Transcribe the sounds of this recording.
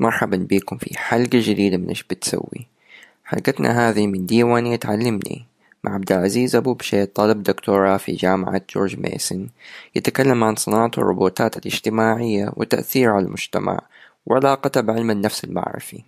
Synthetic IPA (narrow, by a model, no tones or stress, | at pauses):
mɑɾˤħabanbiːkʊmfḭħalɡad͡ʒad̪iːd̪amɪnʔɪʃb̥ɪt̪sa̰wːḭ | ħa̰lɡat̪nʔa̰ɦaːðimɪnd̪iːwaːnɪjːat̪ʕalːamnḭ | mʔaʕab̚d̪ɪlʕaziːzʔabuːbʃeːt̪ˤːɑlɪbd̪ʊkt̪oːɾˤɑfḭd͡ʒaːma̰ʕa̰t̪̚d͡ʒo̰ːɾd͡ʒmḛːsɪnjɪt̪akalːamʕansˤɨnɑːʕɑt̪ɑ̰rˤːʊ̰boːt̪aːt̪alʔɪ̰ʒ̥t̪ɪmaːʕɪjːa̰wɪt̪ːaʔθiːɾʕalalmʊd͡ʒt̪a̰ma̰ʕ | wʕɪlaːqɑt̪abʕɪlmanːafsalma̰ʕɾɪ̰fi